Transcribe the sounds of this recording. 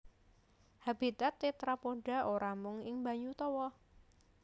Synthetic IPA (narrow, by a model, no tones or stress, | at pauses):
hab̥it̪at̪ːet̪ɾapoɖa̤ʔoɾamʊŋɪŋba̤ɲut̪ɔwɔ